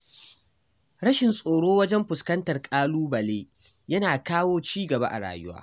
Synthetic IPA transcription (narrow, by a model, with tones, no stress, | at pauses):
ɽɐ˦ʃɪ˨nsʼoː˨ɽoː˦wɐ˦d͡ʒɛ˦mɸʊ˨skɐ˦ntɐ˨rkʼaː˦luː˦bɐ˨leː˦ | jɐ˦naː˨kaː˦woː˦t͡ʃiː˦ɡɐ˨ba̰˦ʔa̰˨ɽa̰ː˨jʊ˦wa̰ː˦